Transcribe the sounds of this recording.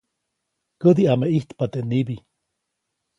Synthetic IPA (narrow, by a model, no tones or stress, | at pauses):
kəd̪iameʔiht̪pat̪enibi